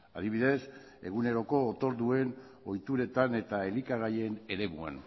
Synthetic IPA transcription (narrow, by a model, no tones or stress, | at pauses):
aðiβ̞iðe̞s | e̞̰ɣune̞ɾo̞ko̞ːt̪o̞ɾðue̞n | o̞jt̪uɾe̞t̪ane̞t̪ae̞likaɣaje̞ne̞ɾe̞mua̰n